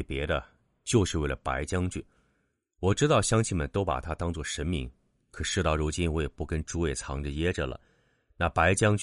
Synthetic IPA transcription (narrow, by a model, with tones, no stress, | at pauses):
pjɛ˧˥d̪ə˧ | t͡ɕjo˥˧ʊʂɻ̩˥˧we˥˩ɪlə˩pa̰˧˥ɪt͡ɕjɑ˥ŋt͡ɕy˥˩ | wɔ˨˩ʈ͡ʂɻ̩˥t̪ɑ˥˩ʊɕjɑ˥ŋt͡ɕʰi˥˩mə̰˨nt̪o˥ʊpa̰˨˩t̪ʰa˥t̪ɑ˥ŋt͡swɔ˥˩ʂə˧˥nmi˧˥ŋ | kʰɤ˨˩ʂɻ̩˥˧t̪ɑ˥˩ʊɻu˧˥t͡ɕi˥nwɔ˧˥jɛ˨˩pu˥˩kə˥nʈ͡ʂu˧˥we˨˩ɪt͡sʰɑ̰˧˥ŋʈ͡ʂə˧jɛ˥ʈ͡ʂə˩lə̰˩ | na˥˩pa˧˥ɪt͡ɕjɑ˥ŋt͡ɕ